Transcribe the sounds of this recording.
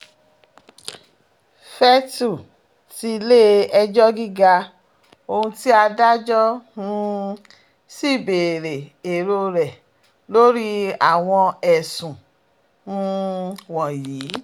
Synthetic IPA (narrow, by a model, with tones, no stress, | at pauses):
fɛ˦tu˦˨ | ti˧le˦ɛ˧d͡ʒɔ˦ɡi˦ɡa˧ | o˧hũ˧ti˦a˧da˦d͡ʒɔ˦nũ˧ | si˦˨be˨ɾe˨e˨ɾo˧ɾɛ˨ | lo˦ɾi˦a˨w̃ɔ̃˧ɛ˨sũ˨ | nũ˧˦wɔ̃˨jiː˨˦